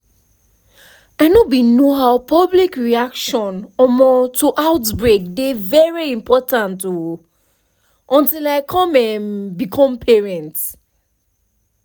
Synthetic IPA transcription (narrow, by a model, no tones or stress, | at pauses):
aɪnobĩnoɦaʊpʰɔblikɹiakʃɔ̃nɔmɔtʰuʔaʊtbɹek̚devɛɹiĩmpʰɔtãntu | ʔɔ̃ntilaɪkʰɔ̃mɛ̃nbikʰɔ̃mpʰɛɹɛ̃nt